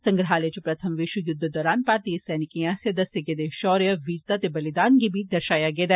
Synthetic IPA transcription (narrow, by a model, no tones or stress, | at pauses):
sɐ̃ŋɡɾɦaːlet͡ʃpɾɐt̪ʰəmʋɪʃwəjʊd̪ʱːd̪ɔːɾaːnpaːɾt̪isɛːnɪkijãsjɐd̪ɐsjəɡed̪eʃɔːɾjəʋiːɾt̪at̪ebɐlɪd̪aːnɡibʱiːd̪ɐɾʃaːjaɡeːd̪aː